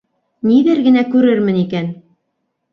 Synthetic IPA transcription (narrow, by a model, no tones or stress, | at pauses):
niðɘɾɡɘ̆nækʉɾɘɾmɘnikæn